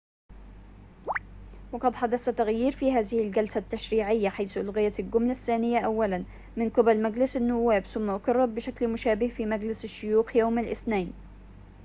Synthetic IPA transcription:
wɑqɑd̪ħad̪asat̪ːaɣjiːɾfiːhaːðɪhɪld͡ʒalsat̪ːaʃɾiːʕɪjːaħajθʔʊlɣɪjalɡʊmlaθːaːnɪjːaʔawːalan | mɪnqɪbalmaɡlɪsanːʊwːaːbθʊmːaʔʊkɑrˤːɑb̚bɪʃaklmʊʃaːbɪhfiːmaɡlɪsɪʃːʊjuːxjawmalʔɪθnaːn

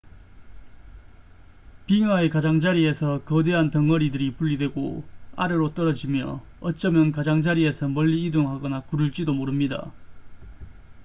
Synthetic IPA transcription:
piŋaekad͡ʑaŋd͡ʑaɾie̞sʰʌkʌde̞ɦantʌŋʌɾidɯɾipuʎːidwe̞ɡo̰a̰ɾɯɾot͈ʌɾʌd͡ʑimjʌ̰ | ʌt͡ɕ͈ʌmjʌnkad͡ʑaŋd͡ʑaɾie̞sʰʌmʌʎːiidoŋɦaɡʌnakuɾuɭt͡ɕ͈idomoɾɯmɲida̰

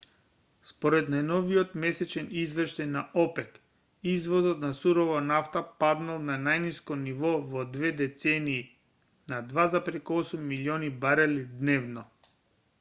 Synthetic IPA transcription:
spɔɾɛt̪najnɔviɔt̪mɛsɛt͡ʃɛnizvɛrʃt̪ajnaʔɔpɛk | izvɔzɔt̪nasuɾɔvanaft̪apad̪nalˠnanajniskɔnivɔvɔd̪vɛd̪ɛt̪sɛniː | nad̪vazapɾɛkuɔsumːiliɔnibaɾalid̪nɛvnɔ

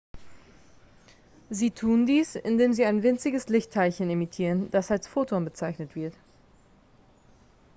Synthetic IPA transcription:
ziːtʰuːndiːsɪ̰ndeːmziːaɪnvɪnt͡sɪɡəslɪçtʰːaɪlçənemitʰiːʁənd̥asalsfoːtʰobət͡saɪçnətv̥ɪɐt

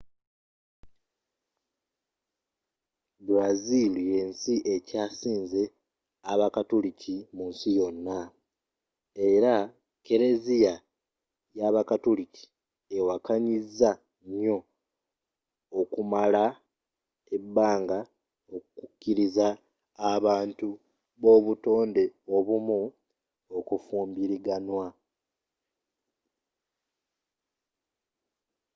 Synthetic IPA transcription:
buɾazilije̞ːnsiʔe̞caːsiːnze̞ | aβakatulicimunsijo̞nːa | e̞ɾa | ke̞ɾe̞zija | jaβakatulici̥ | ewakʰaɲizːa | ɲo̞ | kumala | ebːaːŋɡa | okukukːiɾizaː | βaːntu | βo̞βuto̞ːnde̞o̞βumu | okufuːmbiɾiɡanwa

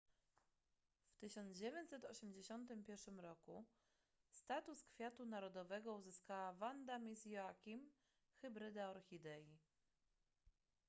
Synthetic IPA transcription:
ft̪ɘɕɔnd̪d͡ʑevʲjɛɲt͡ɕsɛt̪ɔɕɛmʲd͡ʑeɕɔnt̪ɘmpʲjɛɾʂɘmɾɔku | st̪at̪uskfʲjat̪unaɾɔd̪ɔvɛɡɔuzɘskawavand̪amʲisjɔakʲim | xɘbɾɘd̪aɔɾxʲid̪ɛji

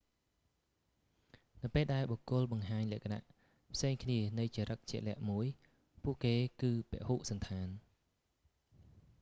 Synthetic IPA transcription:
nɨwpeːlɗaɛlɓokːʊəlɓɑŋɦaːɲlɛ̆əʔkana̰ʔ | pʰseːŋkʰniənɨwt͡ɕiəɾʔək̚t͡ɕɛəʔlɛ̆əʔmuəj | puəʔkeːkɨːpɛ̆əʔhuːʔsɑnt̪ʰaːn

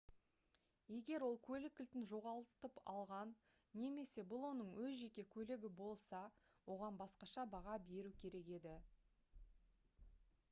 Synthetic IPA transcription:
je̞ɡʲe̞ɾwo̞lˠkʲʰɵlɪkʲːɪlt̪ɪnʒo̞ʁɑlˠt̪əpɑ̰lˠʁɑnː | e̞me̞se̞bʊlˠwo̞nəɴwɵzʒe̞kʲe̞kʲʰɵlɪɡʲɪbo̞lˠsɑ | wo̞ʁɑnbɑsqɑʃɑbɑʁɑbe̞ɾukʲʰe̞ɾe̞ke̞d̪ɪ

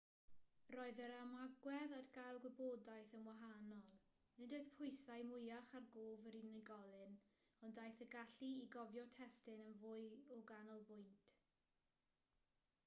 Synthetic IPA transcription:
roɨðəɾamaɡwɛðadɡajlˠɡwɛboːdajθənwaɦanɔlˠ | nɨdoɨðpʰʊjsajmʊjaχarɡoːvəɾinɪɡɔlˠɨn | ɔndajθəɡaɬiiɡɔvjɔtʰɛstɪnənvʊɨɔɡanɔlˠbʊjntʰ

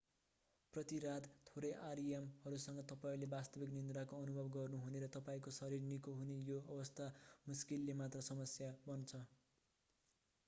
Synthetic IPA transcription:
prʌt̪iɾad̪t̪ʰoɾʌjʔaɾiemhʌɾusʌŋɡʌt̪ʌpaĩlebast̪ʌbiknind̪ɾakoʌnubʱʌbɡʌrnuɦuneɾʌt̪ʌpaĩkosʌɾirnikoɦunejoʌbʌst̪ʰamuskilːemat̪rʌsʌmʌsjabʌnt͡sʰʌ

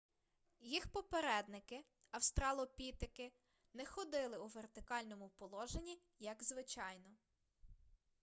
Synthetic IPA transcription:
jixpɔpeɾɛd̪nɪkɪ | ɐwst̪ɾɑlˠɔpʲit̪ɪkɪ | nɛxɔd̪ɪlˠɪuʋert̪ɪkɑlʲnɔmʊpɔlˠɔʒenʲi | jɐɡzʋɪt͡ʃɑjnɔ

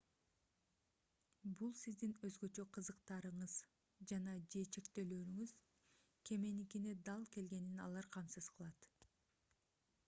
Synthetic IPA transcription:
bulˠsizd̪inø̞zɡø̞t͡ʃø̞qʰɯzɯqt̪ɑɾɯɴɯz | d͡ʒɑnɑd͡ʒet͡ʃe̞kt̪ø̞løːɾyŋyz | kʰe̞me̞nikine̞d̪ɑlˠke̞lɡe̞ninɑ̰lˠɑɾqʰɑmsɯz̥qʰɯlˠɑt̪

